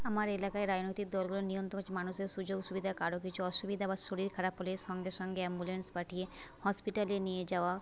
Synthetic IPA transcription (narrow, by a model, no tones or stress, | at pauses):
amaɾelakaeɾad͡ʑnojt̪ik̚d̪ɔlɡulonijont̪ɾomot͡ʃʰemanuʃeɾʃud͡ʑoɡʃubid̪ʱakaɾok̬it͡ɕʰuɔʃubid̪ʱabaʃoɽiɾkʰaɾapːolesɔŋɡeʃɔŋɡeɛmbulenspaʈʰijehɔspiʈalenijed͡ʑaoa